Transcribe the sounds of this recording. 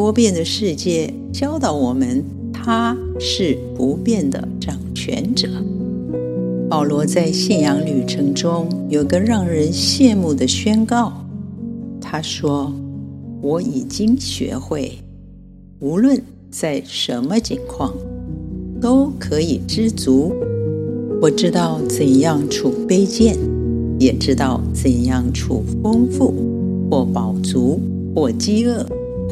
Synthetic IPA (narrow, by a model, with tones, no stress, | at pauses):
t̪wɔ˥pjɛ˥˧nd̪ə˩ʂɻ̩˥˧t͡ɕjɛ˥˩ | t͡ɕjɑ˥ʊt̪ɑ˨˧˩ʊwɔ˨˩mə˧˦n | t̪ʰa˥ | ʂɻ̩˥˩pu˧˥pjɛ˥˩nd̪ə̰˩ʈ͡ʂɑ˨˩ŋt͡ɕʰɥɛ̰˧˥nʈ͡ʂɤ˨˩˦ | pɑ˨˩ʊlwɔ˧˥t͡sa˥˧ɪɕɛ˥˩njɑ˧˥ŋly˨˩ʈ͡ʂʰɤ˧˥ŋʈ͡ʂʊ˥ŋjo˨˩˧ɡə˧ɻɑ˥˩ŋɻə˧˥nɕjɛ˥˧mu˥˩d̪ə˩ɕɥɛ˥nkɑ˥˩ʊ | t̪ʰa˥ʂwɔ˥ | wɔ˧˥i˨˩t͡ɕi˥ŋɕɥɛ̰˧˥xwe˥˩ɪ | u˧˥lwə˥˧n | t͡sa˥˩ɪʂə˧˥nmə˧t͡ɕi˧˥ŋkʰwɑ˥˩ŋ | t̪o˥ʊkʰɤ˧˥i˨˩ʈ͡ʂɻ̩˥t͡su˧˥ | wɔ˨˩ʈ͡ʂɻ̩˥t̪ɑ˥˩ʊt͡sə˨˩njɑ˥˩ŋʈ͡ʂʰu˥˩pe˥ɪt͡ɕjɛ˥˩njɛ˨˩ʈ͡ʂɻ̩˥t̪ɑ˥˩ʊt͡sə˨˩njɑ˥˧ŋʈ͡ʂʰṵ˥˩fɤ˥ŋfu˥˩ | xwɔ˥˩pɑ˨˩ʊt͡su˧˥ | xwɔ˥˩t͡ɕi˥ɤ˥˩